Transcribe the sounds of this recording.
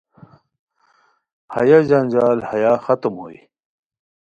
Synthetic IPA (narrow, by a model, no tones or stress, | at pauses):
hɐ̰jad͡ʑand͡ʑaːlhɐjaxɐt̪mɦo̰ḭ